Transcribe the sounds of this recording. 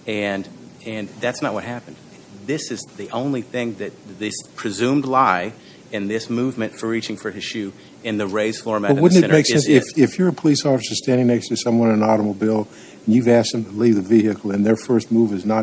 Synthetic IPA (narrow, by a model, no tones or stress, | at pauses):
ɨ̃n | ɨ̃nðætsnət̚wʌ̰t̚hæpn̩d̥ | ðɪsɨzðiʔõʊ̃nliθɪ̃ŋðɨt̪̚ðɪspʰɹ̥ɨzʉ̃mdˡlaɪ | ɨ̃nðɪsmuvmɨ̃ntfə˞ɹit͡ʃɪ̃ŋfə˞ɪz̥ʃʉ | ɨ̃nðɨɹeɪz̥flɔɹmæʌwʊdⁿn̩tɨnmeɪksɛ̃nsɪfɪfjə˞ɨpʰəlisɔfɨsə˞stæ̃ndɪ̃ŋnɛkstɨsʌ̃mwʌ̃nɨ̃nɑɾəmoʊbilˠ | ɨ̃n̩jʉvæst̚ðɨ̃mtʰəlivðɨvihɨkl̩ˠɨ̃nðə˞fɜ˞st̚muvɨznə